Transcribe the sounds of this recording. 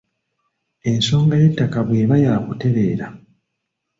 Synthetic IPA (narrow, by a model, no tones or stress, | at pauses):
e̞nso̞ːŋɡajetːakaβwe̞ːβajaːkute̞βe̞ːɾa